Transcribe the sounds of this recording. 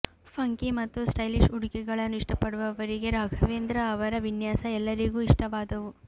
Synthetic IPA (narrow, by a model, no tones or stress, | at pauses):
pʰɐŋkimɐt̪ːusʈɐjliʂuɽikɛɡɐɭɐnːuiʂʈɐpɐɽuʋɐʋɐɾiɡe̞ɾaːɡʱɐʋeːnd̪ɾɐːʋɐɾɐʋinjaːsɐɛlːɐɾiɡuːiʂʈɐʋaːd̪ɐʋu